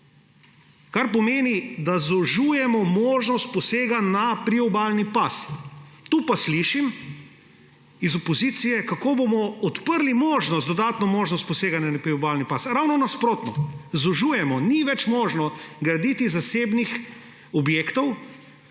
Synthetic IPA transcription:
kaɾp̬ɔmeːnid̪azɔʒuːjɛmɔmoːʒnɔst̪̚pɔseːɡanapɾiɔbaːlnipast̪uːpasliʃim | izɔpɔziːt̪sijɛkakoːbomɔɔt̪pəɾlimoːʒnɔst̪d̪ɔd̪aːt̪nɔmoːʒnɔst̪̚pɔseːɡanjanapɾiɔbalnipasɾawnɔnaspɾoːt̪nɔzɔʒuːjɛmɔniʋɛt͡ʃmoːʒnɔɡɾad̪it̪izaseːbnix | ɔbjeːkt̪ɔw

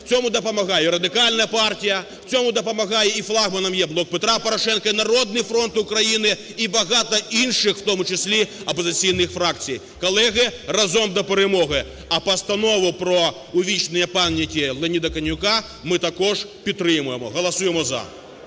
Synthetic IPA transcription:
w̥t͡sʲɔmʊd̪ɐpɐmɐɣɑjɛɾɐd̪ɪkalʲnɐjɐpartʲijɐw̥t͡sʲɔmʊd̪ɐpɐmɐɣɑjɛiflˠaɣmɐnɐmjɛblˠɔk̚pet̪ɾapɐɾɐʃɛnkɐinɐɾɔd̪nɪjfɾɔnt̪ʊkɾɐjinɪ | ibɐɣɑt̪ɐinʃɪxwt̪ɔmʊt͡ʃɪsʲlʲiɐpɐzɪt͡sʲijnɪxfɾakt͡sʲij | kɔlˠɛɣɪrɐzɔmd̪ɐpeɾemɔɣɪ | ɐpɐst̪ɐnɔʋʊpɾɔ | ʊʋʲit͡ʃnɪjɛpamʲɐkʲilˠɛnʲid̪ɐkɐnʲʊka | mɪt̪ɐkɔʐpʲid̪̚t̪ːɾɪmʊjemɔ̰ɣɐlˠɐsujɛmɔzɐ̰

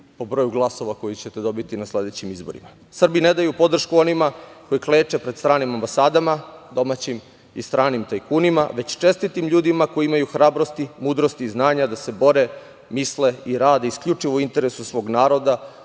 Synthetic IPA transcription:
po̞bɾo̞ːjuɡlˠaso̞ʋako̞jit͡ɕe̞t̪ed̪o̞bit̪inasle̞d̪e̞t͡ɕimizbo̞ɾḭma | sr̩bine̞d̪ajupo̞d̪r̩ʃkuo̞nimako̞jikleːt͡ʃe̞pɾed̪st̪ɾaːnimambasaːd̪amad̪o̞mat͡ɕim | ḭst̪ɾaːnimt̪ajkuːnimaʋe̞t͡ɕt͡ʃe̞st̪it̪imʎuːd̪imakojiimajuxɾaːbɾo̞st̪imuːd̪ɾo̞st̪iːznaːɲad̪ase̞bo̞ɾe̞ | misle̞iɾaːd̪eiskʎʲut͡ʂiʋouint̪e̞ɾesusʋo̞ːɡnaːɾo̞d̪a

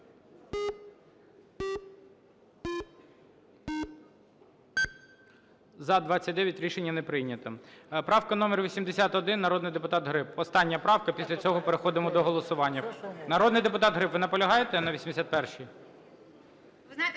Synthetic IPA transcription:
zɐd̪ʋɑt͡sʲːɐt̚ʲd̪ɛʋʲjɐtʲɾʲiʃenʲːɐnɛpɾɪjnʲɐt̪ɐpɾɑwkɐnɔmʲɛrʋʲisʲimd̪esʲat̪ɔd̪ɪnːɐɾɔd̪nɪjd̪epʊt̪ɑt̪ɦɾɪpɔst̪ɑnʲːɐpɾɑwkɐpʲisʲlʲɐt͡sʲɔɦɔpeɾexɔd̪ɪmɔd̪ɔɦɔlˠɔsʊʋɑnʲːɐnɐɾɔd̪nɪjd̪epʊt̪ɑt̪ɦɾɪpʋɪnɐpɔlʲɐɦɑjet̪ɛnɐʋʲisʲimd̪esʲat̪̚pɛrʃij | znajt̪

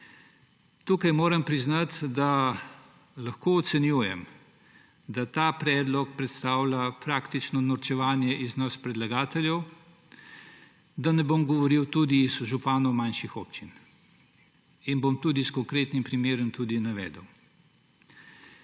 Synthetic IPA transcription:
t̪uːkɐjmoːɾɐmpɾiznat̪d̪a | lɐxkoɔt̪sɛnjuːjɛm | d̪at̪aːpɾɛːd̪lɔk̚pɾɛt̪st̪aːwlapɾakt̪it͡ʃnɔnɔɾt͡ʃɛʋaːnjɛʔiznaspɾɛd̪laɡaːt̪ɛljɛw | d̪anɛboːmɡɔʋɔɾiwt̪ud̪izʒupaːnɔwmanʃixoːpt͡ʃin | inbomt̪uːd̪iskɔŋkɾeːt̪nimpɾimeːɾɛmt̪ud̪inaʋɛ̰ːd̪əw

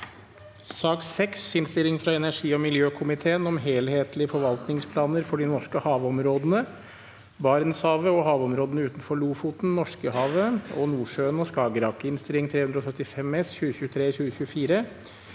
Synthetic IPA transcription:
sɑːksɛksɪnst̪ɪlɪŋfɾɑɛnæʂiːɔmɪljøːkʰʊmɪt̪ʰeːənɔmɦeːlheːt̪ʰlɪəfɔɾʋɑlt̪nɪŋspʰlɑːnəɾfɔɖɪnɔʂkəhɑːʋɔmɾoːd̪ənə | bɑɾnshɑːʋəɔɦɑːʋɔmɾoːd̪ənəʉːt̪nfɔɭuːfuːt̪n̩nɔʂkəhɑːʋəɔ̰nuːʂøːənɔskɑːɡəɾɑkəɪnst̪ɪɾɪŋt̪ʰɾeːhʉnd̪ɾɔsœt̪ːɪfɛmɛsçʉːəçʉːt̪ʰɾeːçʉːəçʉəfiːɾə

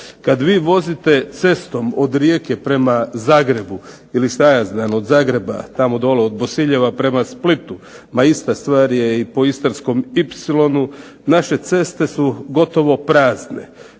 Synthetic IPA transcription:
kad̪ʋiːʋo̞zit̪e̞t̪se̞st̪o̞mod̪ɾjeke̞pɾe̞mazaːɡɾe̞bu | ilist̪ajazd̪ano̞d̪zaːɡɾe̞ba̰t̪amo̞d̪o̞leod̪bo̞siʎe̞ʋapɾe̞masplit̪u | maist̪ast̪ʋaːɾje̞ipo̞ist̪ansko̞mipsilo̞nu | naʃe̞t̪se̞st̪e̞suɡo̞t̪o̞ʋo̞pɾaːzne̞̰

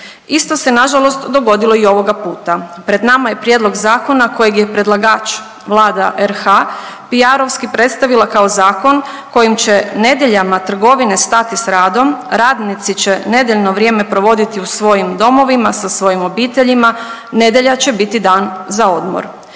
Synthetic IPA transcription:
ist̪o̞se̞naʒalˠo̞st̪d̪o̞ɡo̞d̪ilˠo̞io̞ʋo̞ɡapuːt̪apɾe̞d̪namaje̞pɾje̞d̪lo̞ɡzaːko̞nako̞jeɡjepɾe̞d̪lˠaɡaːt͡ʃ | ʋlˠaːd̪aʔeɾxa | piaɾo̞ʋskipɾe̞t̪st̪aʋilˠakao̞zaːko̞n | ko̞jimt͡ɕe̞ne̞d̪je̞ʎamat̪r̩ɡo̞ʋine̞st̪at̪isɾaːd̪o̞mɾaːd̪nit̪sit͡ɕe̞ne̞d̪jeʎno̞ʋɾʲje̞ːme̞pɾo̞ʋo̞d̪it̪iusʋo̞jimd̪o̞mo̞ʋimasasʋo̞jimo̞biːt̪e̞ʎima | ne̞d̪je̞ʎat͡ɕe̞bit̪id̪aːnzao̞d̪mo̰ɾ

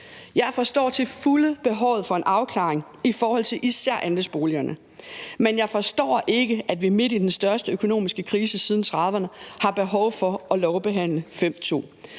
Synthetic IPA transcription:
jɑ̈ɪfɒ̽sd̥ɒ̰ːt͡sʰe̝fuləb̥e̝ɦɒʊ̰ðˠfɒ̽e̝nʔɑ̈ʊkʰlɑ̈ːeŋ | ifɒːhɒ̽l̰t͡sʰe̝lʔisæɐ̰ʔændəsb̥o̝ːliɐnʔə | menjɑ̈ɪfɒ̽sd̥ɒ̰ːʔe̝ɡ̥əʔæd̥ʋime̝d̥id̥ensd̥ɶɐsd̥əøkʰo̝no̝̰ːmisɡ̥əkʰʁiːsəsiːð̞ˠn̩t͡sʰʁɑ̈ðˠʋɐnəhɑ̈b̥e̝ɦɒʊfɒ̽ɒ̽lɒʊb̥e̝ɦæn̰ləfem̰t͡sʰo̝̰ː

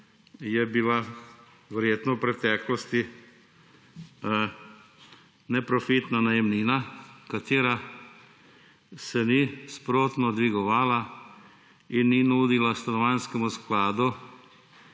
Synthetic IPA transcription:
jɛbila | ʋɛɾjeːt̪nɔwpɾɛt̪ɛːklɔst̪i | nɛpɾɔfit̪nanajɛmniːnakat̪eːɾa | sɛnispɾoːt̪nɔd̪ʋiɡɔʋaːla | inːinuːd̪ilast̪anɔʋanskɛmusklaːd̪u

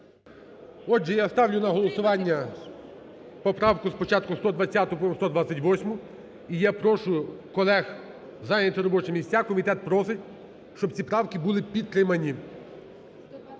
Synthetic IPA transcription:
ɔd͡ʒɛjast̪ɑwlʲʊnɐɦɔlˠɔsʊʋɑnʲːɐ | pɔpɾɑwkʊspɔt͡ʃɑt̪̚kʊst̪ɔd̪ʋɐt͡sʲːat̪ʊpɔst̪ɔd̪ʋasʲːɐtʲʋɔsʲmʊ | ijapɾɔʃʊkɔlˠɛx | zɑjnʲɛt̪ʲɪɾɔbɔt͡ʃɛmʲisʲt͡sʲakɔmʲit̪ɛt̪̚pɾɔsɪtʲ | ʃt͡ʃɔbt͡sʲipɾɑwkibulˠɪpʲid̪t̪ɾɪmɐnʲi

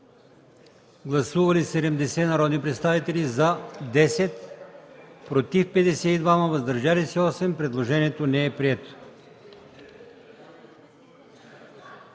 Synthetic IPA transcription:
ɡlˠɐsuvɐlisɛd̪ɛmd̪ɛsɛnɐɾɔd̪nipɾɛt̪st̪avit̪ɛlizad̪ɛsɛt̪ | pɾot̪ifpɛd̪ɛsɛid̪vamɐvɐzd̪ɐɾʒalisɛɔsɛmpɾɛd̪lˠoʒɛniɛt̪onɛɛpɾiɛt̪o̥

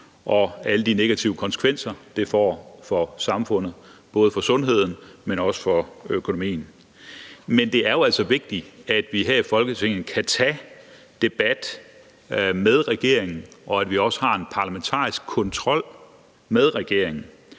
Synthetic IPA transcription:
ʔɒ̽æləd̥ine̝ɡ̥æt͡sʰiʊəkʰɒ̽nsə̥kʰʋen̰sɐd̥e̝fɒ̰ːfɒ̽sɑ̈mfɔ̽n̰ð̩ˠb̥ɔ̽ːðˠəfɒ̽sɔ̽nɦe̝ð̞̰ˠn̩menɒ̽sə̥fɒ̽økʰo̝no̝mḭːn̩ | mend̥e̝æɐjo̝æl̰sɒ̽ʋe̝ɡ̥̚d̥iæd̥ʋiɦæɐ̰ifɒ̽lɡ̥ət͡sʰe̝ŋ̰ð̩kʰæt͡sʰɛ | d̥e̝b̥æd̥ | með̞ˠʁɛɡ̥e̝ɐ̰eŋn̩ʔɒ̽æd̥ʋiɒ̽sə̥hɑ̈e̝npʰɑ̈læment͡sʰɑ̰̈ːisɡ̥̚kʰɒ̽nt͡sʰʁɒ̽l̰ | með̞ˠʁɛɡ̥e̝ɐ̰e̝ŋn̩

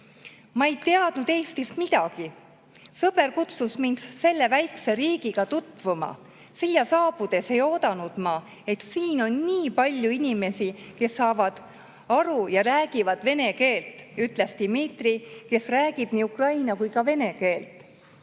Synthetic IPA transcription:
mɑe̞jt̪eɑd̪̥nud̪̥e̞ːst̪ismid̪̥ɑɡ̥i | sɤb̥e̞rkut̪susmind̪̥se̞lːe̞væjkse̞ɾiːɡ̥iɡ̥ɑt̪ut̪ːˑvumɑ̰ | siljɑsɑːb̥ud̪̥e̞se̞jo̞ːd̪ɑnud̪̥mɑ | e̞t̪siːno̞nːiːpɑlʲjuinʲime̞sike̞sːɑːvɑd̪̥ | ɑɾujɑɾæːɡ̥ivɑd̪̥ve̞ne̞ke̞ːlt̪ˑyt̪ˑlest̪imit̪rike̞sræːɡib̥niːukrɑjnɑkujkɑve̞ne̞ke̞ːlt̪ˑ

